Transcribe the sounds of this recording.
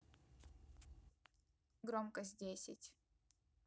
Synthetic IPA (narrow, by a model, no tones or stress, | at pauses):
ɡɾomkəsʲdʲesʲɪtʲ